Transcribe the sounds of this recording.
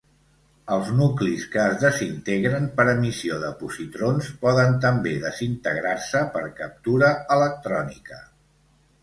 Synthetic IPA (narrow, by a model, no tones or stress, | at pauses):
əlˠznukliskəːzðəzint̪eɣɾənpəɾəmisioðəpusit̪ɾonspɔðənt̪əmbeðəzint̪əɣɾaɾsəpəɾkəp̚t̪uɾəələk̚t̪ɾɔnikə